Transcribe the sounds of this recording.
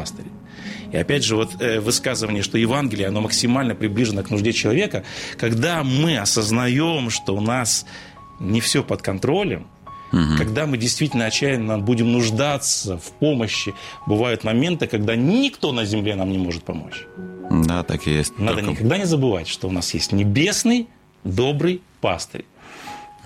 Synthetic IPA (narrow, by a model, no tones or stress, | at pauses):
st̪əɾʲɪ | iɐpʲædʲʐɨvo̞t̪vɨskazɨvənʲɪjəʂt̪o̞jɪvanɡʲɪlʲɪjəɐno̞məksʲɪmalʲnəpɾʲɪblʲiʐɨnəknʊʐdʲet͡ɕɪlˠɐvʲe̞kəkɐɡd̪amɨɐsəznɐjo̞mʂt̪o̞ʊnas | nʲɪfsʲo̞pət̪kɐnt̪ɾo̞lʲə̰m̩ | kɐɡd̪amɨdʲɪjst̪vʲitʲɪlʲnəɐt͡ɕːæjɪnːəbudʲɪmnʊʐd̪at̪səfʲpo̞məɕːɪbɨvajʊt̪mɐmʲe̞nt̪ɨkɐɡd̪anʲɪkt̪o̞nəzʲɪmlʲe̞namnʲɪmo̞ʐɨt̪̚pɐmo̞̰t͡ɕd̪a̰t̪a̰kjesʲnaənɪkɐɡd̪anʲɪzəbɨva̰tʲʂt̪o̞ʊnasjḛsʲtʲnʲɪbʲe̞snɨj | d̪o̞bɾɨjpast̪ə̰ɾʲ